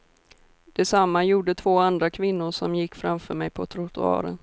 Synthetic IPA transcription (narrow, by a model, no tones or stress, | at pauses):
d̪̥ɛsamːajuːɖət̪ʰvoːand̪ɾakʰvɪnːʊʂɔmjɪkːfɾamfœɾmɛjpʰɔt̪ʰɾʊt̪ʊɑ̰ːɾə̰n